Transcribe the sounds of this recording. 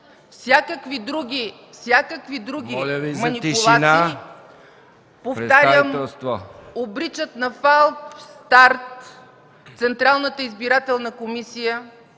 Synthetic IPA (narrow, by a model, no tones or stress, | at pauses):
fsʲjakəkvid̪ɾuɡʲi | fsʲjakəkvid̪ɾuɡʲilʲəvimnip̪iʊlˠanaii | poft̪aɾjəmɛst̪voobɾit͡ʃət̪nɐfalˠpst̪aɾt̪ | t̪sɛnt̪ɾalˠnət̪əizbiɾat̪ɛlˠnəkomisijə